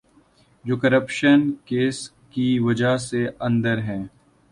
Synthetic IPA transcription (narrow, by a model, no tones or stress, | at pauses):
d͡ʒoːkɐɾəpʃənkeːs | kiʋɐd͡ʒaɦseɐ̃nd̪əɾɦɛ̃ː